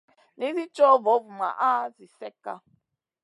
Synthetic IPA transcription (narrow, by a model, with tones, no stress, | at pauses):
ni˦zi˦t͡ʃɔ˦vɔ˨˦vu˨ma̰˨ʔa˦zi˨sɛ˦ka̰˦